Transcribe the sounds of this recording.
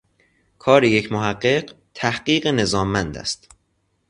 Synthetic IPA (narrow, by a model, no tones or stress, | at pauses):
kʰɒːɾeje̞cʰmoɦæɢːe̞ɢ | t̪ʰæhɢiːɢene̞zɒːmːænd̪æ̰st̪